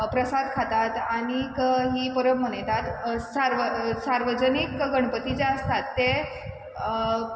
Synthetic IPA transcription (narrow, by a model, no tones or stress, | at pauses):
pɾəsad̪kʰat̪at̪aɽ̃ikɦiːpəɾəbm̤əɽ̃əjt̪at̪saɾʋəsaɾʋəd͡ʑənikɡəɳ̃pət̪id͡ʑeəst̪at̪ːe